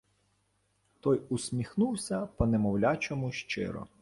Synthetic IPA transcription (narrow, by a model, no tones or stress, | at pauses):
t̪ɔjʊsʲmʲixnuwsʲɐpɔnemɔwlʲat͡ʃɔmʊʃt͡ʃɪ̰ɾɔ̰